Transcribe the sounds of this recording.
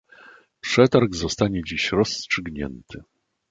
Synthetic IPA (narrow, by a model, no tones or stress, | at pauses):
pʂɛt̪aɾɡzɔst̪aɲɛd͡ʑiɕɾɔstʂɘɡɲɛ̰nt̪ʰɘ